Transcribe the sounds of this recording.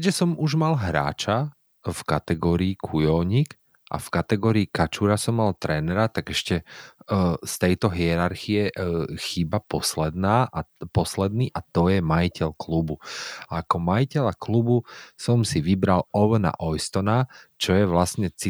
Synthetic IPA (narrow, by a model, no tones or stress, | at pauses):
kɛʒɛsɔmuʒmalɦɾa̰ːt͡ʃa | fkat̪ɛɡɔːɾiːkʰujɔʊɲik | ʔa̰fkat̪ɛɡɔːɾiːkat͡ʃuɾasɔmːalt̪ɾɛːnɛɾat̪aɡɛʃcɛ | st̪ɛjt̪ɔɦiɛɾaɾxiɛxiːbapɔslɛd̪naːʔapɔslɛd̪̚niʔat̪ɔjɛmajicɛʎklubuaakɔmajicɛʎaklubusɔmsiʋibɾalɔʋəna̰ʔɔjst̪ɔnat͡ʃɔjɛʋlasɲɛt͡si